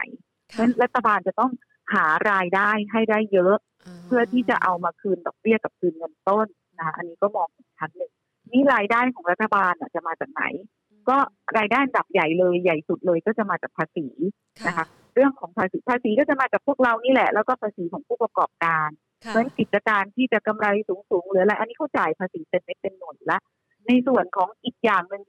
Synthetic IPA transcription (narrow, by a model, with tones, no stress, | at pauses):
na̰˩˦j | mɯ˦˥˨nɾa˦˥t̪ʰːa˧baː˧nt͡ɕa˨˩t̪ɔ˥˩ŋ | haː˩˦ɾaː˧jdaː˥˩jɦa˥˩jdaː˥˩jːɤ˦˥ʔ | pʰɯ˥˩ɐt̪ʰiː˥˩t͡ɕa˨˩ʔa˧wmaː˧kʰɯː˧ndɔ˨˩k̚bi˥˩ɐka˨˩p̚kʰɯː˧nŋɤ˧nt̪o˥˩nːa˦˥kʰa˦˥ʔa˧nːiː˦˥kɔː˥˩mɔː˧ŋʔiː˨˩˦t͡ɕʰa˦˥nːɯ˨˩ŋ | ni˦˥ɾaː˧jdaː˥˩jkʰɔː˩˦ŋɾa˦˥t̪ʰːa˧baː˧nʔa˨˩t͡ɕa˨˩ʔmaː˧t͡ɕaː˨˩k̚na̰˩˦j | kɔː˥˩ɾaː˧jdaː˥˩ʔa˧nda˨˩p̚ja˨˩jlɤː˧jːa˨˩jsu˨˩t̪̚lɤː˧jkɔː˥˩t͡ɕa˨˩maː˧t͡ɕaː˨˩k̚pʰaː˧siː˩˦ | na˦˥kʰa˦˥ | ɾɯ˥˩əŋkʰɔː˩˦ŋpʰaː˧siː˩˦pʰaː˧siː˨˦kɔː˥˩t͡ɕa˨˩maː˧t͡ɕaː˨˩k̚pʰu˥˩ək̚ɾa˧wniː˦˥˩lɛ̰˨˩lɛː˦˥wkɔː˥˩pʰaː˧siː˩˦kʰɔː˩˦ŋpʰuː˥˩pɾa˧kɔː˨˩p̚kaː˧n | mɯ˨˩˦ənki˨˩t̪̚t͡ɕa˧kaː˧nt̪ʰiː˥˩t͡ɕa˨˩ka˧mɾa˧jsuː˨˩˦ŋsuː˨˩˦ŋlɯː˩˦˧la˧ʔa˧nːiː˦˥kʰa˥˩wt͡ɕaː˨˩jpʰaː˧siː˩˦t̪e˧˩n̚ne˦˥t̪̚pe˧nːo˨˩t̪̚lɛ˦˥ʔ | na˧jsu˨˩ənkʰɔː˩˦ŋʔi˨˩k̚jaː˨˩ŋnɯ˧ŋ